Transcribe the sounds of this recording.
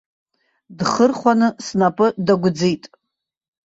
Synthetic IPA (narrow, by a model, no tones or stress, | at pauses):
dχərχʷanɨsnapʼɨdaɡʷʊd͡zijtʼ